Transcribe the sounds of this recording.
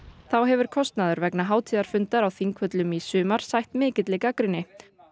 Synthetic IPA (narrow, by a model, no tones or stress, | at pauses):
θawɦɛvʏɾ̥kʰɔst̪naðʏɾvɛknaɦaːwt̪ʰiːðaɾ̥fʏnt̪aɾawθiŋkʰvœt̪lʏmisʏːmaɾ̥sajht̪mɛːcɪt̪lɪkakɾɪnːɪ